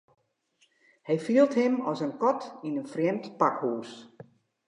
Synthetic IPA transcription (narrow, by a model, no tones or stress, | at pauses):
hɛjfiəlˠthɪmɔsənkɔtinənfrjɛmtpakhuːs